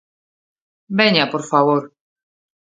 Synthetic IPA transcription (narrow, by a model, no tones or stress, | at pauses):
beɲapoɾfaβoɾ